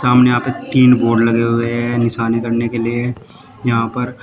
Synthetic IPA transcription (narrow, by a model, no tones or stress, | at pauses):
saːmnejɐɦãːpet̪iːnboːɾɖlɐɡeɦʊeɦɛnɪʃaːnikɐɾnekelie | jɐɦãpɐɾ